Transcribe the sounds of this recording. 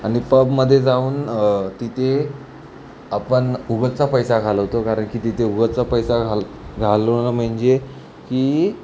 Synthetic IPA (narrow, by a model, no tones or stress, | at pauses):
aɽ̃ipəbməd̪ʱːjed͡zauːnt̪it̪ʰe | apəɳuɡətt͡sapəjsaɡʱaləʋt̪okaɾəɳkiːt̪it̪ʰeuɡətt͡sapəjsa | ɡʱalnam̤əɳd͡ʑe | kiː